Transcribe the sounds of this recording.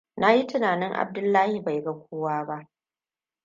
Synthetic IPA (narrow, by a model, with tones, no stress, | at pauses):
na˦ji˦tɪ˦naː˨nɪ˦ŋʔa̰˨b̚dʊ˦lːaː˦hi˨ba˨jɡa˦kʷʰoː˦waː˦ba˦ʔ